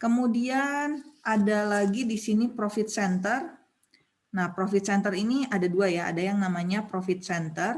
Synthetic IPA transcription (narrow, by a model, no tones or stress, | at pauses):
kəmudianʔadalaɡidisinipɾofɪt̪̚sɛnt̪ər | nahpɾofɪt̪̚sɛnt̪əɾiniadaduajaa̰dajaŋnamaɲapɾofɪt̪̚sɛnt̪ər